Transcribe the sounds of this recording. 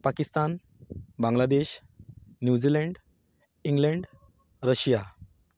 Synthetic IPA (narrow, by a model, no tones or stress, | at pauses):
pakist̪an | bãŋɡlad̪eɕ | njud͡ʑileɳɖ | iŋɡleɳɖ | ɾəɕja